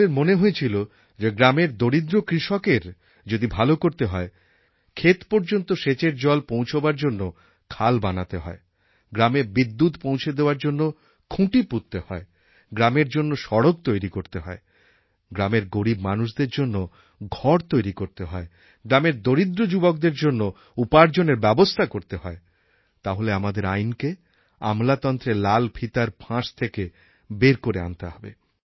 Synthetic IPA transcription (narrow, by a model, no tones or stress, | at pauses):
eɾmoneɦojet͡ɕʰilo | d͡ʑeɡɾameɾd̪oɾid̪ɾokɾiʃɔkeɾ | d͡ʑod̪ibʱalokoɾt̪eɦɔe | kʰet̪pɔɾd͡ʑont̪oʃet͡ɕeɾd͡ʑɔlpõwt͡ɕʰobaɾd͡ʑonːo | kʰalbanat̪eɦɔ̰e | ɡɾameɾbid̪ːut̪põwt͡ɕʰed̪eoaɾd͡ʑonːo | kʰũʈiput̪ːehɔe | ɡɾameɾd͡ʑonːoʃɔɽoɡ̚t̪ojɾikoɾt̪eɦɔe | ɡɾameɾɡoɾibmanuʃd̪eɾd͡ʑonːo | ɡʱɔɾt̪ojɾikoɾt̪eɦɔe | ɡɾameɾd̪oɾid̪ɾod͡ʑubok̚d̪eɾd͡ʑonːo | upaɾd͡ʑoneɾbɛbost̪ʰakoɾt̪eɦɔe | t̪aɦoleamad̪eɾajnke | a̰mlat̪ɔnt̪ɾelalpʰit̪aɾpʰãʃt̪ʰeke | beɾkoɾea̰nt̪eɦɔbḛ